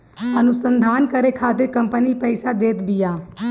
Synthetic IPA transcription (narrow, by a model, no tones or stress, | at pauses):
ənʊsə̃nd̪ʱaːnkəɾekʰaːt̪ɪɾkə̃mpənipɛɪsad̪eːt̪bɪjaː